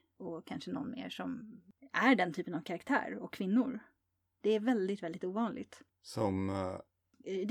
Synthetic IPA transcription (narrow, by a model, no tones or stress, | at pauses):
ɔkʰanʂənɔ̰nmḛːʂɔmæɖɛnt̪ʰyːpənavkʰaɾakt̪ʰæ̰ːɾɔkʰːvɪnːʊɾ | d̪̥ɛæɾvɛld̪ɪt̪vɛld̪ɪt̪uːvɑːnlʔɪ̰ɡt̪ | sɔm | d̪